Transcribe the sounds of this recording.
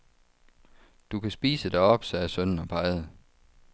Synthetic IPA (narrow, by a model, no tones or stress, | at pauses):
d̥ukʰæsb̥ḭːsəd̥ɑ̈ɪɒ̽b̥sɒæsøn̰n̩ɒpʰɑ̈ɪð̞̩ˠ